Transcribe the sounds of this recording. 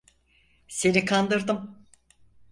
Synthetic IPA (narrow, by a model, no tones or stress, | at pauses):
se̞nikʰand̪ɯɾd̪ɯm